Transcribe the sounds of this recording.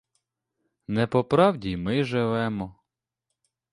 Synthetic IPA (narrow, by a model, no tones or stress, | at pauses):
nɛpɔpɾɑwdʲimɪʒɪʋɛmɔ